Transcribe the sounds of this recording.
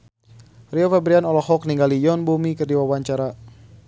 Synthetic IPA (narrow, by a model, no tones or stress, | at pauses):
riɔfabɾianɔlɔhɔk̚niŋɡalijɔnbumikɨrdiwawaɲt͡ʃaɾa